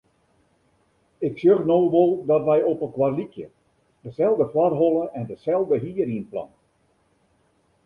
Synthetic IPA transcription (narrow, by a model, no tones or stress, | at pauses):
ɪksjøɣnowʋolˠdɑtʋɛjɔpənkwarlikjə̰ | d̥əzɛlˠdəflɑrɦɔlˠəʔɛndəzɛlˠdəɦiəriənplɑ̰n